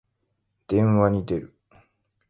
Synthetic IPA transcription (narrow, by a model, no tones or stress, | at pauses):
d̪̥ẽ̞ɰ̃βaɲ̟id̪e̞ɾɯ̟